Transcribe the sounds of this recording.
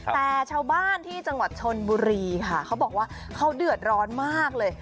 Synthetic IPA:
t̪ɛː˨˩t͡ɕʰaː˧wbaː˥˩nt̪ʰiː˥˩t͡ɕa˧ŋwa˨˩t̪̚t͡ɕʰo˧nbuː˧ɾiː˧kʰa˥˩kʰa˦˥wbɔː˨˩k̚waː˥˩ | kʰa˦˥wdɯ˨˩ət̪̚ɾɔː˦˥nmaː˥˩k̚lɤː˧j

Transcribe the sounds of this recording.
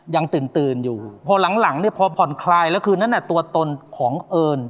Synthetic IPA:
ja˧ŋt̪ɯː˨˩nt̪ɯː˨˩njuː˨˩pʰɔ˧la˩˦ŋla˩˦ŋni˥˩ɐpʰɔ˧pʰɔ˨˩nkʰlaː˧jlɛ˦˥wkʰɯː˧na˦˥˨lɛ˧˩t̪u˧ɐt̪o˧nkʰɔː˩˦ŋʔɤː˧n

